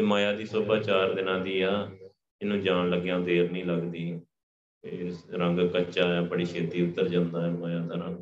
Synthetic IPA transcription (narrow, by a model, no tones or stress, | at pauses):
maːjaːd̪iːsʊbaːt͡ʃaːɾd̪ɪnãːd̪iːaː | ɪnũːd͡ʒaːnləɡjãːd̪eːɾnĩːləɡd̪iː | eːɾəŋɡkəːʃaːaːbəɽiːʃeːd̪iːʊt̪ːəɾd͡ʒãːnd̪aːɛəmaːjaːd̪əɾə̃ː